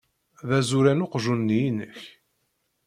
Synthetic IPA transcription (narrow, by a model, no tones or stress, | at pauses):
ðæzuɾænʊqʒunːijinəç